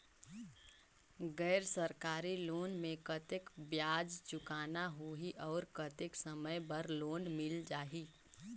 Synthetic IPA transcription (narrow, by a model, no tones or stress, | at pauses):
ɡɛːɾsəɾkaːɾiloːnmẽkət̪ɪkbjaːd͡ʒt͡ʃʊkaːnaɦoɦiʔɔːɾkət̪ɪksəməjbəɾloːnmɪld͡ʒaːɦi